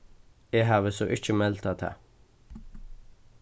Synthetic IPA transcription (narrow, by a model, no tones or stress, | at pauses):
eːɦɑːʋəsɔʔɪc͡çəmɛlt̪ʰɑt̪ʰɑ̰